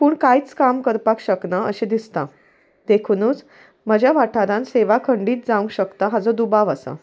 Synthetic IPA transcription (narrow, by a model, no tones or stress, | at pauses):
puːɳkajt͡skamkəɾpakɕəknaʔə̰ɕẽd̪ist̪a̰ | d̪̥ekʰunuːt͡s | məd͡ʑjaʋaʈʰaɾãnseʋakʰəɳɖiːt̪̚d͡zaʋuŋkɕəkt̪aɦad͡zɔd̪ubaʋasa̰